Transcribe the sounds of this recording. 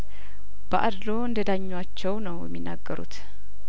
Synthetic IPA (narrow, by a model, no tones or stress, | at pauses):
b̥əʔad̪lo̞ɨnd̪əd̪aɲːwat͡ʃːɛwnəwjɛ̰mːinːa̰ɡːəɾṵt̪